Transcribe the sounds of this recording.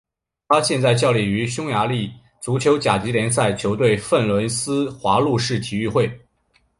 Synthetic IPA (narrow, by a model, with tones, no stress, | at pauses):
t̪ʰa˥ɕjɛ˥˧nt͡sa˥˧ɪt͡ɕjɑ˥˩ʊli˨˩y˧˥ɕjʊ˥ŋja˧˥li˥˩ | t͡su˧˥t͡ɕʰjo˧˥ʊt͡ɕja˨˩t͡ɕi˧˥ljɛ˧˥ns̬a˥˩ɪt͡ɕʰjo˧˥ʊt̪we˥˧ɪfə˥˩nlwə˧˥nsɹ̩˥xwa˧˥lu˥˧ʂɻ̩˥˩t̪ʰi˨˩y˥˧xwe˥˩ɪ